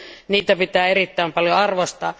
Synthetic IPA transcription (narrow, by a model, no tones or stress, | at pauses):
niːt̪æpit̪æːerit̪ːæimpɑljoɑrʋost̪ɑ̰ː